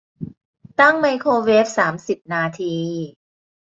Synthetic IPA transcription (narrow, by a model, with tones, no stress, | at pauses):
t̪a˥˩ŋma˧jkʰoː˧weː˦˥p̚saː˩˦msi˨˩p̚naː˧t̪ʰiː˧